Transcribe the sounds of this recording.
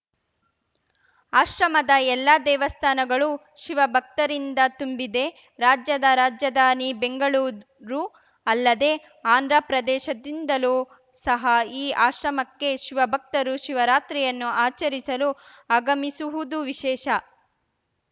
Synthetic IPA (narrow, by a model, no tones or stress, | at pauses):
aːʃɾɐmɐd̪ɐɛlːɐd̪ɛːʋɐst̪ʰaːnɐɡɐɭu | ʃiʋɐbʱɐk̚t̪ɐɾind̪ɐt̪umbid̪e̞ | ɾaːd͡ʒjɐd̪ɐɾaːd͡ʒjɐd̪aːnibeŋɡɐɭuː | ɾu | ɐlːɐd̪e̞ | aːnd̪ɾɐpɾɐd̪ɛːʃɐd̪ind̪ɐluː | sɐɦɐiːʔaːʃɾɐmɐkːe̞ʃiʋɐbʱɐk̚t̪ɐɾuʃiʋɐɾaːt̪ɾijɐnːuaːt͡ʃɐɾisɐlu | aɡɐmisuʋud̪uʋiʃɛːʃɐ